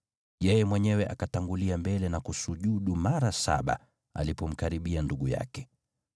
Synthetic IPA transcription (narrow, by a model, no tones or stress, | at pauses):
jɛjɛmwɛɲɛwɛʔakataŋɡuliambɛlɛnakusuʄuɗumaɾasa̰ɓa̰ | a̰lipɔm̩kaɾiɓianduɡuja̰kɛ̥